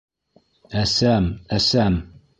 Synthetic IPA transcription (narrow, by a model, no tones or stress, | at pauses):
æsæmæsæm